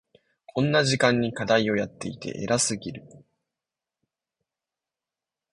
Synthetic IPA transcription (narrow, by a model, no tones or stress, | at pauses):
kʰõ̞nːaʑikãɲ̟ːikad̪aio̞jat̪ːe̞it̪e̞̰ʔe̞̰ɾasɨɡʲiɾɯ̟